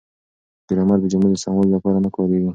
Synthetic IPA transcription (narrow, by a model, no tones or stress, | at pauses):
d̪̥iɾamaɾd̪əd͡ʒʊmed̪əsaŋololapɑɾanəkɑɾeɡi